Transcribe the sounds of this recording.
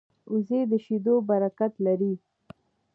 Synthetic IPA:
uzed̪əʃid̪obaɾakat̪laɾi

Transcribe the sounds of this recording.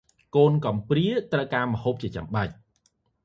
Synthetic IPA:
koːnkɑmpriət̪rəwkaːməhoːp̚t͡ɕiət͡ɕa̰mɓac̚

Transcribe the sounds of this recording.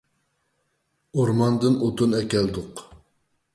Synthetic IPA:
oɾmɑnd̪ɨnot̪ʰunɛkʲɛld̪ʊq

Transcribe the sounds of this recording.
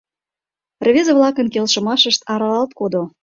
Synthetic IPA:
rβʲezeβlɑkənkelʃə̆mɑʃəʃt̪ɑɾɑlɑlt̪̚kod̪o

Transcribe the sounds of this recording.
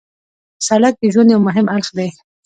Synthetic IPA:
salak̚d̪eʒwanjawmʊɦɪmalxd̪e

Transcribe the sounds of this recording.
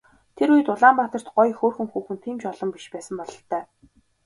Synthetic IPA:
t̪ʰeɾujɘ̆t̪ʊɮaːmpat̪ə̆r̥t̪ɢɔjxoːrxɘ̆ŋxuːxɘ̆nt̪ʰiːmt͡ɕɔɮɞ̆mpiʃpæːsə̆mpɔɮɞ̆ɬt̪œː

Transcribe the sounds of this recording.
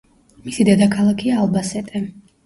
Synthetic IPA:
misid̪ɛd̪akʰalˠakʰiaːlˠbasɛt̪ʼɛ

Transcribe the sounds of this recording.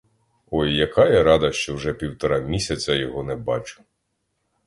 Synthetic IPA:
ɔjːɐkɑjɛɾɑd̪ɐʃt͡ʃɔwʒɛpʲiwt̪ɔɾɑmʲisʲɐt͡sʲɐjɔɦɔnɛbɑt͡ʃʊ̥

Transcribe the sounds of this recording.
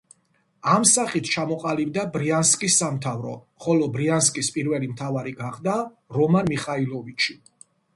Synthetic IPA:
amsaχit̪ʰt͡ʃʰamɔqʼalib̚d̪abɾianskʼisːamt̪ʰavɾɔ̰ | χɔlɔbɾianskʼispʼiɾvɛlimt̪ʰavaɾiɡaχd̪a | ɾɔmanmiχailˠɔvit͡ʃʰi

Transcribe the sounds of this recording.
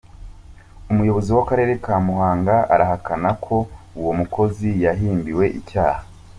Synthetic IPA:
umujo̞βo̞ziwakaɾe̞ːɾekaːmuɦaːŋɡaʔa̰ɾaɦakʰanakʰo̞uwo̞mukʰo̞zijaɦiːmbiwe̞ʔicaːhhḁ

